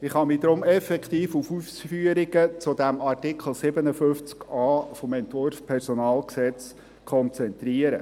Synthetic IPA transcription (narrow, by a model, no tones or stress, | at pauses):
ɪχɑmid̪ɾʊmɛfɛkt̪iːfufufsfyəɾɪɡət͡sʊd̥̪æmɑrtɪkʰl̩ˠsɪbənəfʏft͡skɑːfɔmɛnt̪ʋʊrfpʰɛɾsɔnɑːlksɛt͡s | kʰɔnt͡sɛnt̪riəɾə